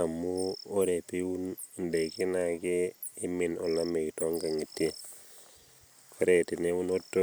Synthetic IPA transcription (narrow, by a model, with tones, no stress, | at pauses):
a˨mu˦o˦ɾe˨pi˦wu˦n˨nde˨ki˦na˨keː˦ | mi˨no˨la˦me˨ito˦ŋka˨ŋi˨tːi˦ | ko˦ɾeti˨ne˦wu˦no˦tːo˦